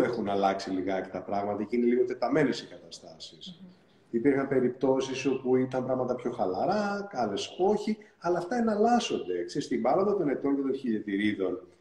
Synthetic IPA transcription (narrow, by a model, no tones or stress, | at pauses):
exunɐlɐksiliɣɐcet̪ɐpɾɐɣmɐt̪ɐceineliɣot̪e̞t̪ɐme̞ne̞sikɐt̪ɐst̪ɐsis | ipiɾxɐmpe̞ɾipt̪o̞siso̞puit̪ɐmpɾɐɣmɐt̪ɐpço̞xɐlɐɾɐkɐle̞so̞çiɐlɐːft̪ɐenɐlɐso̞nd̪e̞kseɾist̪imbɐɾo̞nd̪ɐt̪o̞ne̞t̪o̞ŋce̞t̪o̞nçiʎe̞t̪iɾiðo̞n